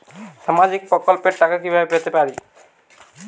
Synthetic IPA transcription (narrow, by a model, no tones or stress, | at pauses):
samazik̚pɹɔkɔlpeʈakakibʱabepɹat̪epaɹi